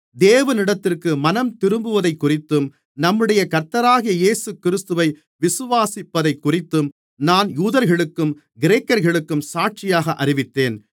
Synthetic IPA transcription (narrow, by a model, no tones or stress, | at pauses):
d̪eːʋɐnɪɽɐt̪ːɪrkɯmɐnɐmt̪ɪɾɯmbɯʋɐðɐɪkːʊrɪt̪ːɯm | nɐmːɯɽɐjɐkɐɾt̪ɐɾaːɣɪjɐjeːsɯkɪɾɪst̪ɯʋɐɪ | ʋɪsɯʋaːsɪpːɐðɐɪkːʊrɪt̪ːɯm | naːnjuːðɐɾɣɐɭɯkːɯm | ɡɪɾeːkːɐɾɣɐɭɯkːɯmsaːʈ̚t͡ʃɪjaːɣɐʔɐɾɪʋɪt̪ːeːn